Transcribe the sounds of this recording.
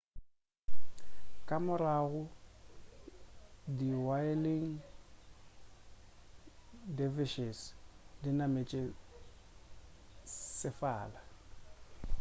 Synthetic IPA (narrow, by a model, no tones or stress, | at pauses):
kʼamʊɾaɣʊ | diwaɪlɪŋ̩ | devɪʃɛsdinamet͡ʃʼe | sɪfaːla